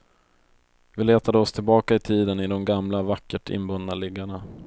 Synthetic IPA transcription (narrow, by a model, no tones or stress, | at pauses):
vɪleːt̪ad̪əɔst̪ʰɪlbɑːkaɪt̪ʰiːd̪ənɪd̪ɔmɡamlavakːəʈʰɪ̰nbɵnːalɪɡːaɳa